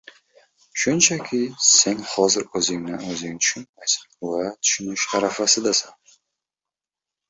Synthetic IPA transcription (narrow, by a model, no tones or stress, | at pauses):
ʃʊnt͡ʃʰakʲʰɪse̞nhɒzɪɾɵzɪŋnɪɵzɪŋt̪ʰʊ̥ʃʊnmajsḁnvat̪ʰʊ̥ʃʊnɪʃaɾafasɪd̪asan